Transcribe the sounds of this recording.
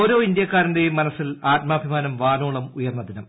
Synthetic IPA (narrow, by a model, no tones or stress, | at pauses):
oːɾo̞ːind̪jɐkːaːɾɐnde̞jumːɐnɐsːilaːt̚mɐːbʱimaːnɐmʋaːnoːɭɐmujɐrnːɐd̪inɐm